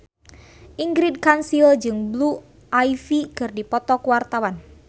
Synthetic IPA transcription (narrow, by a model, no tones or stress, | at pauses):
ʔiŋɡɾid̚kansild͡ʒɨŋblu | ʔajfikɨrdipɔt̪ɔkwart̪awan